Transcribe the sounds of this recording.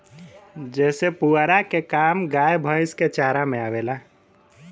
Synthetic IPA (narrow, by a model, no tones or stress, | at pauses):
d͡ʒɛːsepuaɾakekaːmɡaːjbʱə̃ɪsket͡ʃaːɾamẽaːʋeːlaː